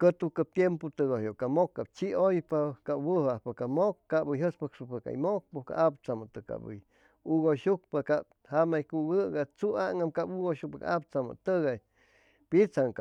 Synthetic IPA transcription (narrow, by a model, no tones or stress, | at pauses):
kət̪ukat̪jempot̪ɨɣohjokamokːap̚t͡ʃiojpakawɨhahpakamokːabɨjɦəspəkʂɨpəka̰jmok̚poka̰ʔap̚t͡samat̪ɨka̰bɨ̰j | uɣoʃuk̚pakab | hamajkuɡɨɡat͡suaŋamkapuɡoʃuk̚paka̰ap̚t͡sama̰t̪ɨɣaj | pit͡saŋka